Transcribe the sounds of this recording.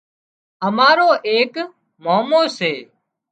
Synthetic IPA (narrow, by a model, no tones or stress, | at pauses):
əmaːɾoːʔeːk | moːmoːseː